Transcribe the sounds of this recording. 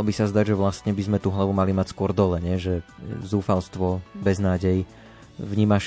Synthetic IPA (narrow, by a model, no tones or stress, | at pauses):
lɔbisazd̪aɟʒɛʋlast̪ɲɛbizmɛt̪uːɦlaʋumalimacskʊɔɾd̪ɔlɛɲɛʒɛzuːfalst̪ʋɔbɛznaːɟɛj | vɲiːmaʃ